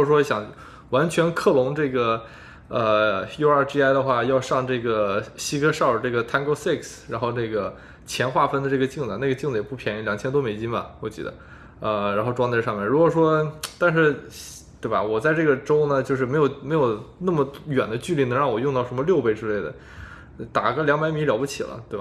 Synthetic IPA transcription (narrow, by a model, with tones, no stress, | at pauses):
u˥ɔ˩ʂ̬wɔ˥ɕjɑ˨˩ŋ | wa˧˥nt͡ɕʰɥɛ˧˥nkʰɤ˥˩lʊ˧˥ŋʈ͡ʂɤ˥˩ɡə˩ | ə˧jo˥ʊa˞˥˩ʈ͡ʂi˥a˥ɪd̪ə˧xwa˥˩jɑ˥˧ʊʂɑ˥˧ŋʈ͡ʂɤ˥˩ɡə˩ɕi˥kʰɤ˥ʂʊə˩ʈ͡ʂɤ˥˩ɡə˩t̪ʰa˥nko˥si˥˩ksɻa˧˥nxo˥˧ʊne˥˩ɡə˩ | t͡ɕʰjɛ˧˥nxwa˥˩fə˥nd̪ə˧ʈ͡ʂɤ˥˩ɡə˩t͡ɕi˥˩ŋd͡zə˩na˥˩ɡə˩t͡ɕi˥˧ŋd͡zə˩jɛ˨˩pu˥˩pʰjɛ˧˥n˥˩ljɑ˨˩ŋt͡ɕʰɛ˥nt̪wɔ˥me˨˩ɪt͡ɕi˥nbɐ̰˨wɔ˨˩t͡ɕḭ˧˥d̪ə̰˨ | ə˧ɻa˧˥nxo˥˧ʊʈ͡ʂwɑ˥ŋt̪a˥˧ʂɑ˥˧ŋmjɛ˥˩nɻu˧˥kwɔ˨˩ʂwɔ˥t̪a˥˧nʂ̬ɻ̩˥˧ | t̪we˥˩bɐ̰˨˩wɔ˨˩t͡sa˥˧ɪʈ͡ʂɤ˥˩ɡə˩ʈ͡ʂo˥ʊnə˨t͡ɕjo˥˧ʊʂɻ̩˥˩me˧˥ɪjo˨˩ʊme˧˥ɪjo˨˩ʊna˥˩mə˩ɥɛ˨˩nd̪ə˦t͡ɕy˥˧li˥˩n˧˥ŋɻɑ˥˩ŋwɔ˨˩jʊ˥˧ŋt̪ɑ˥˩ʊʂə˧˥nmə˧ljo˥˧ʊpe˥ɪʈ͡ʂɻ̩˥le˥˩ɪd̪ə̰˩˧ | t̪a˨˩ɡə˧˥ljɑ˥ŋpa˧˥ɪmi˧˥ljɑ˨˩ʊpu˥˩t͡ɕʰḭ˨˩lə̰˦t̪we˥˩ɪa˩